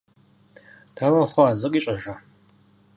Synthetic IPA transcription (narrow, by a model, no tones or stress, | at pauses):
tʰaːwɐχʷɔaːzɨqʼiːɕʼɐʒa